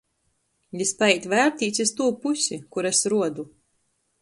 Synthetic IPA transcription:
lʲispaɛjt̪ʲvæɾt̪ʲiːt̪sʲist̪uːpusʲikuɾɛsɾuɔd̪u

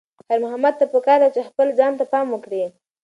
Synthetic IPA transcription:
haɾmʊɦamad̪̚t̪apəkɑɾd̪at͡ʃexpəld͡zɑnt̪apɑmwəkɽi

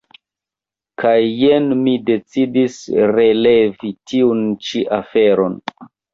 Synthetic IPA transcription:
kʰajːenmide̞t͡sidisre̞le̞vitʰiunt͡ʃiʔafeɾon

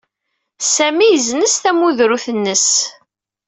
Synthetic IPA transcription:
sæmijəznəsθæmuðɾuθənːəs

